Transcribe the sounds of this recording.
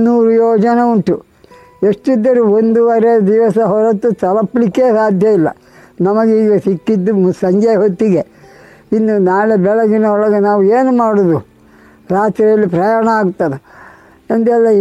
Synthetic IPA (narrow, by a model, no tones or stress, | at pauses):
nuːɾujoːd͡ʒɐnɐuɳʈu | eʂʈid̪ːɐɾuond̪uʋɐɾed̪iʋɐsɐɦɔɾɐt̪ːut̪ɐlɐpːlikːe̞ːsaːd̪ʱjɐilːɐ̰ | nɐmɐɡiːɡɐsikːid̪ːumsɐɲd͡ʒɐjɐɦot̪ːiɡe | inːunaːɭebɛɭɐɡinɐɔɭɐɡenaːʋueːnumaːɽud̪u | ɾaːt̪ɾijɐlːipɾɐjaːɳɐaːɡut̪ːɐd̪e | ɐnd̪ɛlːɐ